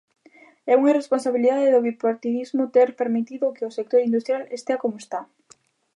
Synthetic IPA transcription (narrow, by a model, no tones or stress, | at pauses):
ɛuŋaresponsaβiliðaðeðʊβipoɾt̪iðizmʊt̪eɾpeɾmit̪iðʊkɪʊsek̚t̪oɾind̪ust̪ɾjalest̪eakomoest̪a